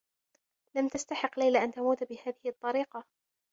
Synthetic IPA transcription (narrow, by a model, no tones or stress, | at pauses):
lamt̪ast̪aħɪqːlajlaʔant̪amuːt̪bɪhaːðɪhɪt̪ˤːɑɾiːqɑ